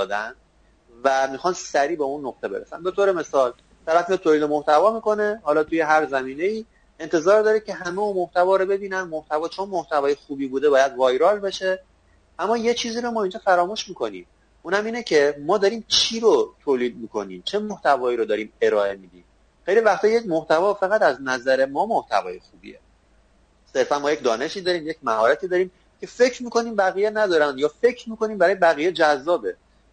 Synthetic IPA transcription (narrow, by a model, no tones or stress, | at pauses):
ɒːd̪æn | væmixɒːnsæɾiːbeunːoqt̪e̞be̞ɾesæ̰nbe̞t̪ʰoːɾeme̞sɒːl | t̪ʰæɾæfminet̪ʰoːliːd̪emoht̪ʰævɒːmiːko̞ne̞hɒːlɒːt̪ʰuje̞ɦæɾzæmiːne̞iː | ent̪ʰe̞zɒːɾd̪ɒːɾicʰʲe̞ɦæme̞unmoht̪ævɒːɾobe̞biːnænmoht̪ʰævɒːt͡ʃʰo̞nmoht̪ʰævɒːjexuːbiːbuːd̪ebɒːjæd̪vɒːjɾɒːlbe̞ʃe̞ | æmːɒːje̞t͡ʃʰiːziːɾomɒːind͡ʒɒːfæɾɒːmuːʃmiːko̞nḭːm | uːnhæmiːnecʰe̞mɒːd̪ɒɾiːmt͡ʃʰiːɾot̪ʰoːliːd̪̚miːkʰo̞niːmt͡ʃʰe̞moht̪ʰævɒːiːɾod̪ɒːɾiːme̞ɾɒːe̞miːd̪iːm | xejlivæxt̪ʰɒjecmoht̪ævɒːfæɣæt̪æznæzæɾe̞mɒːmoht̪ʰæ̰vɒ̰ːjexuːbḭḛ | se̞ɾfænmɔːjecʲd̪ɒːne̞ʃiːd̪ɒːɾiːmje̞cmæɦɒːɾæt̪ʰiːd̪ɒːɾiːm | cʰe̞fe̞cʰɾmiːko̞niːmbæɣiːjenæd̪ɒːɾænd̪jɒːfe̞cʰɾmiːko̞niːmbæɾɒːje̞bæɣiːjed͡ʒæzːɒːbe̞